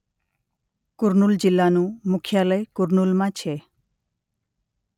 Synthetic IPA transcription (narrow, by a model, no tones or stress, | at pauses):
kʊɾnuld͡ʑilːanumukʰjaləjkʊɾnulmãt͡ʃʰe